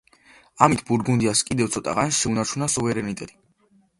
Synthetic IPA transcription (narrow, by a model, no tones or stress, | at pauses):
amit̪ʰbuɾɡund̪iaskʼid̪ɛvsʰɔt̪ʼa̰ʁansʃɛunaɾt͡ʃʰunasuvɛɾɛnit̪ʼɛt̪ʼi̥